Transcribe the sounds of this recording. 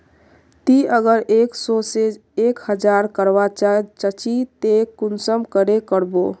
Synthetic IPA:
t̪iəɡəɾeksɔseekhəd͡ʒaɾkəɾbat͡ʃat͡ʃət͡ʃit̪ekunsəmkəɾekəɾbo

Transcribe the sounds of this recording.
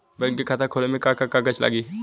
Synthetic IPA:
bɐɡkekʰaːt̪akʰoːlemẽkakakak̬ət͡ʃʰla̰ːɡiː

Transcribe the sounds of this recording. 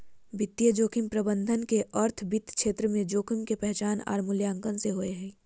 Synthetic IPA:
bɪt̪ːijəd͡ʒoːkʰimpɾəbə̃nd̪ʱənkeʔɔːɾt̪ʰbɪt̪kʃeːt̪ɾəmẽd͡ʒoːkʰimkepɛɦt͡ʃaːna̰ːɾmʊljãːŋkənseɦoeɦɛ̃ː

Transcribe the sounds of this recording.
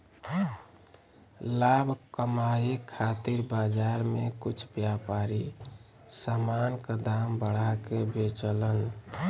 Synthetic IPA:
labʱkəmaikʰat̪iɾbad͡ʒaɾmekut͡ʃʰbjapaɾi | samanked̪ambəɽ̤akebet͡ʃələn

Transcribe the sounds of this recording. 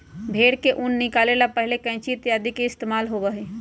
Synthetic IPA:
bʱeːɽkeʔʊnːɪkaːlelapɛɦlekɛ̃ːt͡ʃiɪt̪jaːd̪ikeɪst̪eːmaːlɦoʋɐɦeː

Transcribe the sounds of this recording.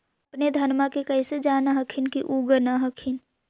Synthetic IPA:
əpned̪ʱənmakekəɪsed͡ʒaːnaɦəkʰɪnkiʔuɡənaɦəkʰin

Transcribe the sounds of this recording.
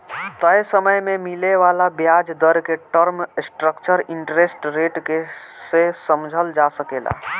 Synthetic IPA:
t̪əjsəməjmemileʋalabjad͡ʒd̪əɾkeʈəɾmsʈɾəkt͡ʃəɾiɳʈɾesʈɾeʈkesesəmd͡ʒʱəld͡ʒasəkela̰

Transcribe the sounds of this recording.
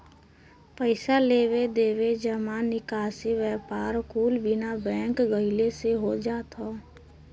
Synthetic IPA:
pəɪsaleːwed̪eːʋed͡ʒəmanɪkaːseʋjɛːpaːɾkuːlbɪnabɛ̃ːkɡəɪleseɦod͡ʒaːt̪ɦo

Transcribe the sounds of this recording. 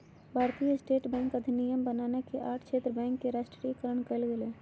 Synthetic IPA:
bʱaːɾt̪ijəɪsʈeːʈbɛ̃ːŋkəd̪ʱinijəmbənaːnekeʔaːʈʰkʃʰeːt̪ɾəbɛ̃ːŋkːeɾaːʃʈɾikəɾəɳ̃kəlɡeleː

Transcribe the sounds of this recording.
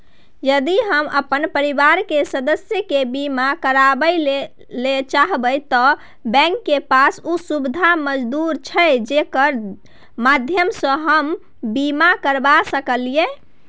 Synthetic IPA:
jəd̪iɦəməpənpəɾibaɾkesəd̪əsjəkebimakəɾabəjle | let͡ʃaɦbəjt̪ɔ | bɛ̃ŋkːepasusubid̪ʱaməd͡ʒd̪uɾt͡ʃʰəd͡ʒekəɾ | mad̪ʱjəmsə̃ɦəm | bimakəɾbasəkəlie

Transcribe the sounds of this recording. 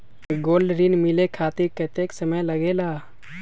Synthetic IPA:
ɡoːlɖɾinmilekʰaːt̪iɾkət̪eksəməjləɡela

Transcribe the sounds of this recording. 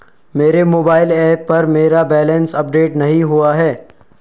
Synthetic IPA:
meːɾemoːbaːɪlɛːpːɐɾmeːɾabɛːlə̃nsɐp̚ɖeːʈnɐɦĩɦuaɦɛː

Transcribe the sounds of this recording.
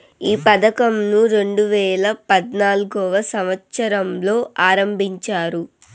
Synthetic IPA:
iːpɐd̪ɐkɐmnuɾe̞ɳɖuʋɛːlɐpɐd̪naːluɡɔːʋɐsɐmɐt̪sɐɾɐmlo̞ːʔaːɾɐmbʱiɲt͡ʃaːɾu

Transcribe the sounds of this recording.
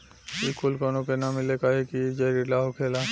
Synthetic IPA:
bilkulkɔnokenamilekaɦekid͡ʒaɾilaɦokʰela

